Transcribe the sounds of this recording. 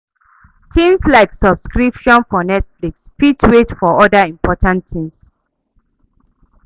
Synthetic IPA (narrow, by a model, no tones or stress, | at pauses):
tʰĩmslaɪksɔbskɹipʃɔ̃nfɔnɛtflikspitʰwetfɔɔdaĩmpɔtʰãntʰĩms